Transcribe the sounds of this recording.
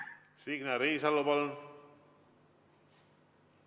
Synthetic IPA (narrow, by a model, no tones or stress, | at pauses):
siknaɾesalopaln